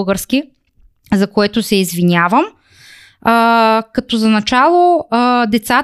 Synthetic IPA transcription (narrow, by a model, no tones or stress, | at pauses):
ɡəɾsk̟ʲi | zɐkoɛt̪ʊsɛizvinʲavəm | kɐt̪ɔzɐnɐt͡ʃalˠod̪ɛt̪sat̪